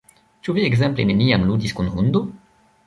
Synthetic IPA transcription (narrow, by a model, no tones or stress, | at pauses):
t͡ʃuvieɡzɛmpleneniamlud̪iskunhund̪o